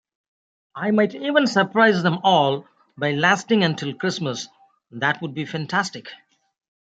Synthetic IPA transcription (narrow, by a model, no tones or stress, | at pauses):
ʔaɪmaɪʈiːʋə̃nsəɾpɾaɪzd̪ɛ̃mɔːl | baɪlæsʈɪ̃ŋə̃nʈʰɪlˠkɾɪsməs | d̪æʈwʊɖ̚bifæ̃nʈʰæsʈɪk